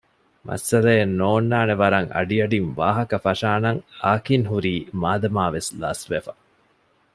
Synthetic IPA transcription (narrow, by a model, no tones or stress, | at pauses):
mʔɐ̰sɐlɐenːoːnːaːneʋɐɾɐŋʔɐ̰ɖiɐɖinʋaːɦɐkɐfɐʂaːnɐŋaːkinɦuɾiːmaːd̪ɐmaːʋesla̰ːsʋefɐ